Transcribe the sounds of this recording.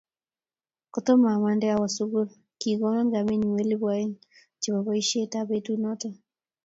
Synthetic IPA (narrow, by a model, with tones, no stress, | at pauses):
kɔ˨tɔ˦ma˨ma˨ndɛ˦a˦wa˨su˦ɣu˦l | ki˨ɣɔ˦ma˦ŋɡa˨mi˦ni˨we˦lɪ˦βwa˦i˦n | t͡ʃi˨βa˨βa˦i˦ʃe˦ta˨βe˦tu˦nɔ˦ta˦